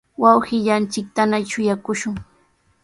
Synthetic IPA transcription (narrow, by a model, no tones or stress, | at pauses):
wɑwhɪʎant͡ʃɪk̚t̪anaʃʊjakʊʃʊŋ